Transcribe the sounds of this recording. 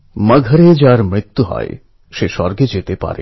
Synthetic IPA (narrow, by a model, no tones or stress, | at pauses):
maɡʱəɾed͡ʑaɾmɾit̪ːuɦɔ̰e | ʃeʃɔɾɡed͡ʑet̪epa̰ɾḛ